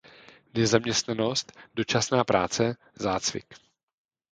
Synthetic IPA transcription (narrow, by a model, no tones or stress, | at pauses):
nɛzamɲɛst̪nano̞st̪do̞t͡ʃasnaːpɾaːt͡sɛ | zaːt͡svɪ̰k